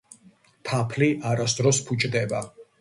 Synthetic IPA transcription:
t̪ʰapʰliʔaɾasd̪ɾɔspʰut͡ʃʼd̪ɛba

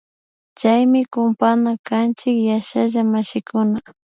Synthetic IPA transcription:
t͡ʃajmɪkʊmpanakant͡ʃɪkjaʃaʒamaʃɪkʊna

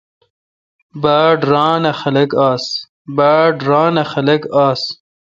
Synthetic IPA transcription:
baːɖɾɑːnɐxɐlɐkaːs | baːɖɾɑːnɐxɐlɐkaːs

